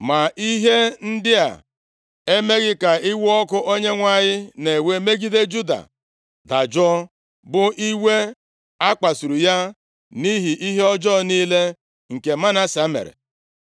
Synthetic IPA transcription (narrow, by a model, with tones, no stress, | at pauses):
ma˨ʔi˦ɦe˦n̩˦dɪ˦a̰˨ | e˦me˦ɣɪ˦ka˨i˦wu˦ɔ˦kʊ˦ʔo˦ɲe˦ŋʷa˦ɲɪ˦ne˨we˦me˦ɡi˦de˦d͡ʒu˦da̰˨ | da˨d͡ʒɔ˦ | bʊ˦ʔi˦we˦ | a˦k͡pa˨su˨ɾu˨ja˦ | ni˦ɦi˨ʔi˦ɦe˦ɔ˦d͡ʒɔ˦˨niː˦le˦ | ŋ̩˨ke˨ma˦na˦sa˦mḛ˨ɾḛ˨